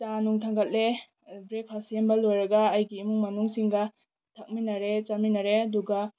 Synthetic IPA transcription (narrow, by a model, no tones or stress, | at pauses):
t͡ʃanuŋtʰaŋɡɐt̚le | bɾek̚pʰasembɐlojɾɐɡɐːjɡiːmuŋmɐnuŋsiŋɡɐ | tʰɐk̚minɐɾet͡ʃaminɐɾeɐduɡɐ